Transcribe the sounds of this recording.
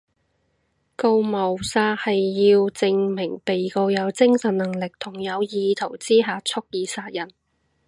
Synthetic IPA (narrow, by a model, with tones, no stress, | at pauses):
ko˧wmɐ˨˩wsaː˧t̚hɐ˨jːiː˧wt͡sɪ˧ŋmɪ˨˩ŋpe˨jko˧wjɐ˨˧wt͡sɪ˥ŋsɐ˨nːɐ˨˩ŋlɪ˨k̚t̪ʰʊ˨˩ŋjɐ˨˧wjiː˨˧t̪ʰo˨˩wt͡siː˥ɦaː˧t͡sʰʊ˥k̚jiː˨˧saː˧t̚jɐ˨˩n